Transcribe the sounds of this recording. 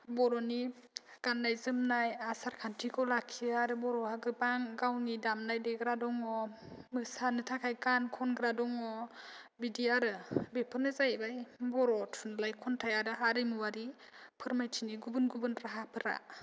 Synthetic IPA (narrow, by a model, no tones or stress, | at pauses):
bɔɾɔniɡanːajzɯmnajasaɾkʰantʰikʰɔlakʰiaɾɯbɔɾɔhaɡɯbaŋɡawnidamnajdeɡɾadɔŋɔ | mɯsanɯtʰakʰajkankʰɔnɡɾadɔŋɔ | bidiaɾɯbepʰɯnɯzajbajbɔɾɔtʰunlajkʰɔntʰajaɾɯɦaɾɯmɯwaɾi | pʰɯɾmajtʰiniɡubɯnɡubɯnɾaɦapʰɯɾa̰